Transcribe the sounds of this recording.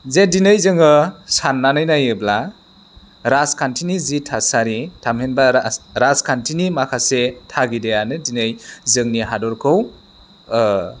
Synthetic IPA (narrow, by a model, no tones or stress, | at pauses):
zedinɯjzɯŋɯsanːanɯjnajɯbla | ɾaskʰantʰinizitʰasaɾitʰamhenbaɾaskʰantʰinimakʰasetʰaɡidejanɯdinɯjzɯŋniɦadɔɾkʰɯw